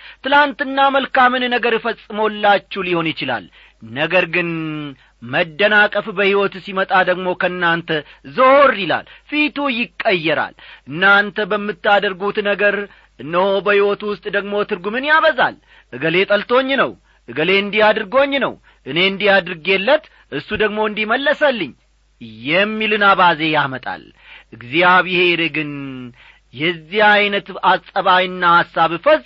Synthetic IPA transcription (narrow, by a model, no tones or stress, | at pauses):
t̪ɨlant̪ɨnːaməlkamɨnnəɡəɾjfəsʼːɨmolːat͡ʃːuliho̞njɪt͡ʃɪla̰l | nəɡəɾɡɨn | məd̪ːənakʼəfbəhiwɔt̪simət̪ʼad̪əɡmo̞kʰəɨnːant̪ʰəzəhoɾila̰lfit̪ujɪkʼːəjːɛɾa̰lʔɨnːant̪ʰəbəmːɨt̪ːad̪əɾɡut̪nəɡəɾ | ʔɨnːəho̞bəhiwɔt̪wʊst̪ʼd̪əɡmo̞t̪ʰɨɾɡumɨnjaβəza̰l | ʔɨɡəle̞t̪ʼəlt̪ʰo̞ɲːnəw | ʔɨɡəle̞ɨnd̪ijad̪ɾɨɡo̞ɲːnə̰w | ʔɨne̞ɨnd̪ijad̪ɨɾɨɡelːət̪ | ʔɨsːud̪əɡmo̞ɨnd̪iməlːəsəlːɨɲː | jɛmːilɨnaβaze̞jamət̪ʼa̰l | ʔɨɡziaβɪhe̞ɾɨɡɨn | jɛzːihajnət̪asʼəβajɨnːahasːaβfəzʼ